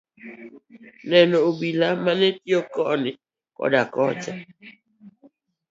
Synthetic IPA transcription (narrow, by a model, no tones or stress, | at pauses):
nɛnoobilamanetiokɔʔnɪ | kɔ̰dakɔt͡ʃa